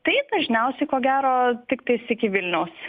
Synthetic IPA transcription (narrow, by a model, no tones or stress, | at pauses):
t̪ɐɪd̪ɐʒʲnʲɛʊsʲɛɪkoːɡʲæːɾoːt̪ʲɪkt̪ɐɪsɪkʲɪʋʲɪlʲnʲɛʊs